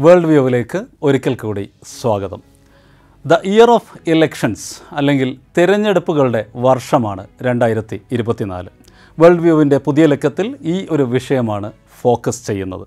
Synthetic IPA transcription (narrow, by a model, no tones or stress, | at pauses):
ʋe̞ːɭɖʋjoːʋile̞ːkːɨo̞ɾikʲːɐlkuːɽiswaːɡɐðɐ̰m | d̪ɐʔijɐroːfilekʂɐnsɐlːe̞ŋɡilt̪iɾɐɲːe̞ɽupːuɣɐɭuɽe̞ʋɐrʂɐmaːɳɨɾe̞ɳɖaːjiɾɐt̪ːiːɾubɐt̪ːina̰ːlɨ | ʋeːɭɖʋjoːʋinde̞puðijɐle̞kːɐt̪ːiliːʔo̞ɾuʋiʂɐjɐmaːɳɨ | fo̞ːkːɐst͡ɕe̞jːunːɐ̰ðɨ